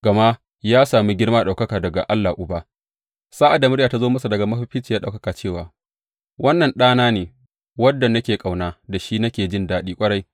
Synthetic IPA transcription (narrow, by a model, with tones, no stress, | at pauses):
ɡ̥ɐ˨ma˦ | jaː˦saː˨miː˦ɡʲɪ˦ɽmaː˦ɗa˨wkɐ˦kaː˨dɐ˨ɡa˨ʔa˦lːa˨ʔʊ˨baː˦ | saː˦ʔa˨da˨mʊ˦ɽjaː˨ta˦zoː˦mɐ˦sa˨dɐ˨ɡa˨mɐ˦ɸɪ˦ɸɪ˦t͡ʃi˨jaː˦ɗa˨kɐ˦kaː˨t͡ʃeː˦˨waː˨ | wɐ˦nːɐ˨nɗaː˦naː˦neː˨ | wɐ˦dːɐ˨nɐ˦kʲeː˨kʼa˨wnaː˦da˨ʃiː˦nɐ˦kʲeː˨d͡ʒɪ˦ndaː˦ɗiː˦kʷʼɐ˦ɽɐ˦j